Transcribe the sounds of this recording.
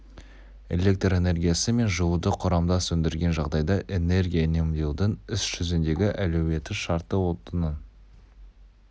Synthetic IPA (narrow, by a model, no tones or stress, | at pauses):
e̞̰le̞k̚t̪re̞ne̞rɡʲijasɪme̞nʒəwud̪əqʰʊɾɑmd̪ɑsɵnd̪ɪɾɡʲe̞nʒɑʁd̪ɑjd̪ɑʔe̞ne̞rɡʲijane̞md̪e̞wd̪ɪŋɪsʒ̥ʏzɪnd̪e̞ɡʲɪʔælɵwe̞t̪ɪʃɑɾt̪əwo̞t̪ənən